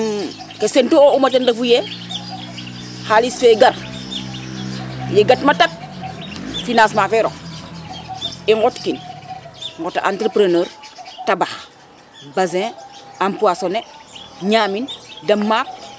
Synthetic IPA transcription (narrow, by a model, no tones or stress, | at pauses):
kesentuoumatandafuje | haliseɡaɾ | jeɡatmatak̚ | finãsmafeɾo̰ | iŋɡotkin | ŋɡota̰ntɾepɾenəːɾtabax | bazẽampuasoneɲaːmindɐmːaːp̚